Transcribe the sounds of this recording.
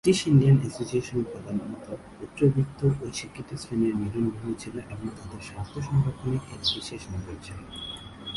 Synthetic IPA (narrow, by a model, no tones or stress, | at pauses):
ʈiʃinɖianɛsosieʃoneɾpɾɔd̪ʱanmɔt̪oput̪ːɾobit̪ʰːoʔot͡ʃikʰːit̪ːost̪ʰaneɾniɾonɡoɦet͡ɕʰiloʔeboŋt̪ad̪eɾʃast̪ʰoʃɔŋɡaponiebisieʃonɦojet͡ɕʰe